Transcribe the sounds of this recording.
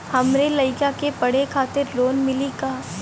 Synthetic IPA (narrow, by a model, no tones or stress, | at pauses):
hɐmɾelɐɪkakepɐɽ̤ekʰaːt̪ɪɾloːnmɪlikaː